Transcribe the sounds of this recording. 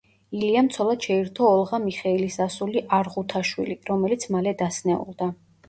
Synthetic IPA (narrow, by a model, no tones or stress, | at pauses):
iliamt̪sʰɔlˠad̪̥ʃɛiɾt̪ʰɔːlˠʁamiχɛilisasuliʔaɾʁut̪ʰaʃwḭliɾɔmɛlit̪sʰmalɛd̪asnɛṵlˠd̪a